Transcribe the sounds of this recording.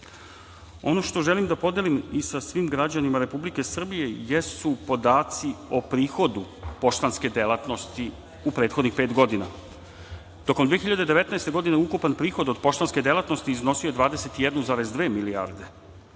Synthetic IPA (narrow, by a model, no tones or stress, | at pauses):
o̞no̞ʃt̪o̞ʒe̞limd̪apo̞d̪jelimisasʋimɡɾad͡ʑanimaɾe̞publike̞sr̩bije̞jesupo̞d̪aːt̪sio̞pɾiːxo̞d̪u | po̞ʃt̪anske̞d̪elat̪no̞st̪i | upɾe̞ːt̪xod̪nixpeːt̪ɡo̞d̪ina | t̪o̞komd̪veexiʎːad̪e̞d̪e̞ʋe̞t̪naest̪e̞ɡo̞d̪ineukupanpɾiːxo̞d̪od̪po̞ʃt̪anske̞d̪elˠat̪no̞st̪iːzno̞sijoe̞d̪ʋaːd̪eset̪ijed̪nuzaːɾezd̪ʋe̞ːmilia̰ɾd̪e̞